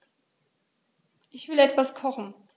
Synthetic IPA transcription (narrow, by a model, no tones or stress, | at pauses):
ʔɪçv̥ɪlɛtv̥askʰɔχn̩